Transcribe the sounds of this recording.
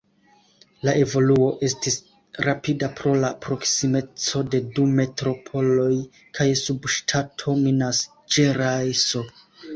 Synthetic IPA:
laʔe̞vo̞luo̞ʔe̞stis | ɾapidapɾo̞lapɾo̞ksime̞t͡so̞de̞dume̞tɾo̞pʰo̞lo̞j | kʰajsubʃtʰatʰo̞minas | d͡ʒe̞ɾajso̞

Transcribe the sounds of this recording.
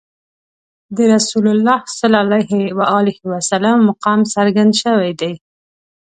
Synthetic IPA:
d̪əɾasulʊlːɑhsəlalajhwaɑlɪhwasalamːʊqɑmsaɾɡand̪ʃəwajd̪aj

